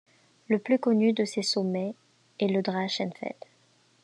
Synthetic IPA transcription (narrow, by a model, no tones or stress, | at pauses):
ləplykɔnyd̪əsesɔmɛ | ɛləd̪ʁaʃɛ̃nfɛ̰t̪